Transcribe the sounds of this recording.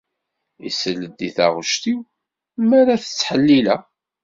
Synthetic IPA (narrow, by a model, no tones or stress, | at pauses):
ḭsəlːəd̪ːiθa̰ʁʊʃt̪iw | mæɾaθə̥t͡sːħəlːilæ